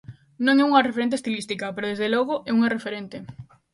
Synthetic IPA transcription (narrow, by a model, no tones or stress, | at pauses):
nõŋɛuŋɐrefeɾent̪est̪ilist̪ikɐpeɾoðezðelɔɣʊʔɛuŋarefeɾent̪e